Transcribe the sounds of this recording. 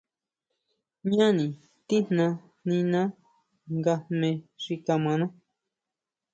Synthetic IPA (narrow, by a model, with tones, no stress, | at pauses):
ɲã˦nĩ˨ | t̪i˦n̥nã˧ | nĩ˧nã˦ | ŋɡa˧mẽ˧ʂi˧ka˧mã˨˧nã˦